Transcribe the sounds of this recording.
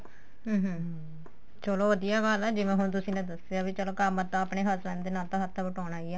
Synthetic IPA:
ɦəːɦ | t͡ʃoloːʋəd̪ijaːɡalɛːd͡ʒɪʋẽːɦʊnt̪̬ʊsĩːnãːd̪əseaːbit͡ʃəloːkamət̪ːãːapɳeːɦət̪pɛ̃ːnd̪eːnaːlt̪ãːɦət̪ʰːãːbəʈaːɳaːiɛː

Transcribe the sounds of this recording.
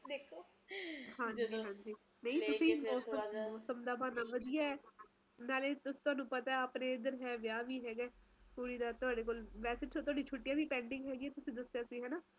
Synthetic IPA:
d̪ekʰo | hãːɲd͡ʒiiːɦãːnd͡ʒiː | nəĩt̪ʊsĩːmɔːsəmɔːsəmd̪aːmaːnaːʋəd̪ijaːɛː | naːleːt̪ʊsːt̪ʊaːnũːpət̪aɛapneːɪd̪əɾɦɛːʋɪjaːʋiːɦɛːɡɛːpuːɽiːd̪aːt̪ʊaːɖeːk̬oːlʋɛːsɪʈsʰoːt̪ʊɦaːɖiːt͡ʃʰoːʈːijãːʋiːpɛ̃ːɳɖɪ̃ŋɡɦɛːɡiɛːt̪ʊsĩːd̪əsjaːsiːɦɛːnaː

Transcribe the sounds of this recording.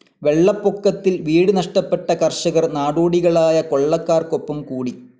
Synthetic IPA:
ʋe̞ɭːɐpːokːɐt̪ːilʋiːɽɨnɐʂʈɐpːe̞ʈːɐkɐrɕɐɣɐrnaːɽoːɽiɣɐɭaːjɐko̞ɭːɐkːaːrko̞pːɐmkuːɽi

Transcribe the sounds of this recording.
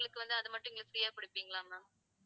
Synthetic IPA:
ɐɭɯkːɯʋɐnd̪ɯɐðɯmɐʈːɯ̃ɪŋɡɐsɐɾɪjaːpɪɽɪpːiːŋɡɐɭãːnaː

